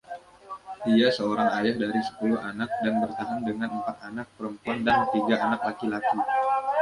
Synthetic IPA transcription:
diasəoɾaŋajahdaɾisə̥pulʊɦanak̚danbərt̪aɦaŋdəŋanəmpat̪̚anak̚pəɾəmpuandant̪iɡaʔanak̚lakilaki

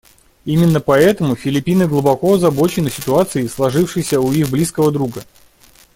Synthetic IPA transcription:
imʲɪnːəpɐɛt̪əmʊfʲɪlʲɪpʲinɨɡlˠʊbɐkoɐzɐbo̞t͡ɕɪnɨsʲɪt̪ʊat̪sɨɪslˠɐʐɨfʂɨjsʲəuixblʲiskəvəd̪ɾuɡə

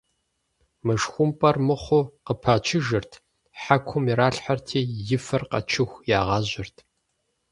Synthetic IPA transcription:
mɨʂxʷʊmpʼɐrmɨχʷʊqəpʰat͡ʃʰɪʒɨrtʰ | ħakʷʰʊmiɾaːɬħartʰiːjɪfɐrqɐ̰t͡ʃʰɪxʷjaːʁɑːʑɪrtʰ

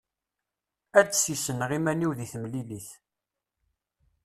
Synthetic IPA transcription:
æɾdsisənʁimæniwðiθəmliliθ

